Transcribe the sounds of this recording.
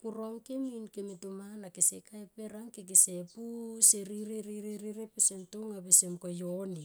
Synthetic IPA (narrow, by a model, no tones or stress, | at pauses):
kuɾoŋkeminkemetumanakesekaepe̞ɾaŋkek̬esepuseɾiɾeɾiɾeɾiɾepesemtoŋabesemkojoni